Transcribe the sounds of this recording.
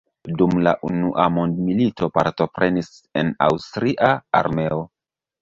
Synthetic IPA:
dumlaʔunuʔamondmilitʰo̞paɾto̞pɾe̞nis | e̞na̰wstɾiʔaa̰ɾme̞o̞

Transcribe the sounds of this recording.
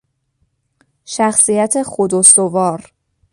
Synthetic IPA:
ʃæxsijæt̪ʰe̞xod̪ost̪ovɒːɾ

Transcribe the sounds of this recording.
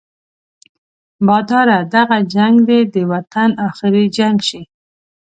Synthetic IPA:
bɑd̪ɑɾad̪aɣad͡ʒaŋɡd̪ed̪əwat̪ʰanɑxɪɾid͡ʒaŋɡʃi

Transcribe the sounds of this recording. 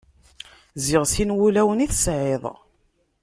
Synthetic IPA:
zɪʁsinwulæwəniθə̥sʕeðˤ

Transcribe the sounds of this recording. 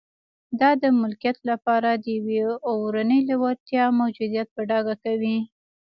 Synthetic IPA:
d̪ɑd̪əmʊlkijat̪lapɑɾad̪əjaweowɾanəjlawaɾt̪jɑmawd͡ʒud̪ijat̪̚pəɖɑɡakawi

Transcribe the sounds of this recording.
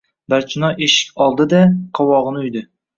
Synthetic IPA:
baɾt͡ʃʰɪnɒʔeʃɪ̥kʲɒlˠd̪ɪd̪aqʰɒwɒʁɨnɪʊjd̪ɪ

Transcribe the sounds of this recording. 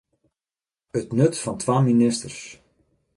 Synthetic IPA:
ətnøtfɑntʰʋaːminɪstərs

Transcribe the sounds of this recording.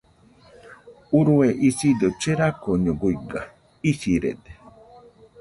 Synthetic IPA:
uɾueʔisidot͡ʃeɾakoɲɔɡuiɡa | isiɾḛde

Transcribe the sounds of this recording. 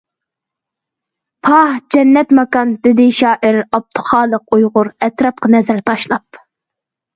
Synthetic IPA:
pʰɑhd͡ʒɛnːɛt̪mɑkɑnd̪ɪd̪ɪʃɑːʔɪɾɑb̚t̪ʰʊ̥χɑːlˠəqujʁʊɾɛt̪ɾɑp̚qɑnɛzæɾt̪ʰɑʃlˠɑp̚

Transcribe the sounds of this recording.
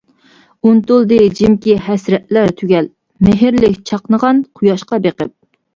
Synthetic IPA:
unt̪ulˠd̪ɨd͡ʒɪmkʲihɛsɾɛt̪̚læɾt̪ʰyɡʲɛl | mɪɦɪɾlɪkʲt͡ʃʰɑqnəʁɑnqʰʊjɑʃqɑbeqə̰p̚

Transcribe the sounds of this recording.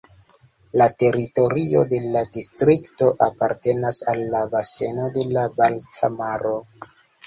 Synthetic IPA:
late̞ɾito̞ɾio̞de̞ladistɾikto̞ʔapaɾte̞nasalːabase̞no̞de̞labaltʰamaɾo̞

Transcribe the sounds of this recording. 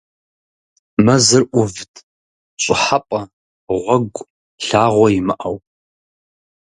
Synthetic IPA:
mɐzɨrʔʷʊvdʰʼ | ɕʷʼɪħapʼɐ | ʁʷɔɡʷʼ | ɬaːʁʷɔjimɨʔɐw

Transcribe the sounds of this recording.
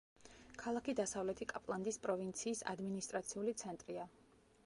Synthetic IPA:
kʰalˠakid̪asavlɛt̪ʰikʼapʼlˠand̪ispʼɾɔvint̪sʰiːsa̰d̪minist̪ʼɾat̪sʰiulit̪sʰɛnt̪ʼɾia

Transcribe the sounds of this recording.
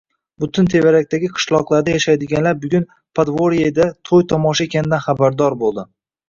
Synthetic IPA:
bʊt̪ʰɪnt̪ʰe̞vaɾak̚ʲt̪aɡʲɪqʰɨ̥ʃlˠɒqlˠaɾd̪ajaʃajd̪ɪɡʲanlaɾbʊɡʲʊn | pʰad̪voɾiejd̪at̪ʰojt̪ʰɒmɒʃae̞kʲʰanɪd̪anχabaɾd̪ɒɾbolˠd̪ɪ

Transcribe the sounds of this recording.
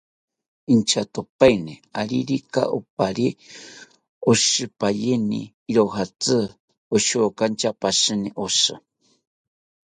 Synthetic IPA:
int͡ʃat̪opajniaɾiɾika̰ʔo̰paɾi | oʃɨpajenḭː | ɾoɦat͡sɨ | oʃokant͡ʃapaʃɨniʔosɨ̰

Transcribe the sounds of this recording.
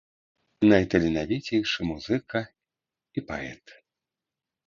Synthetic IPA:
nɐjt̪ɐlʲɛnavʲit͡sʲɛjʂɨmuzɨkɐ | ipa̰ɛ̰t̪

